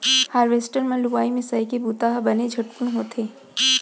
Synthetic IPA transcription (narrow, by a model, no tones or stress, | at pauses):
haːɾʋeːsʈəɾmɐ̃luʋaːimɪsaːikebuːt̪aːɦbɐned͡ʒʱɐʈpʊnɦoːt̪ʰeː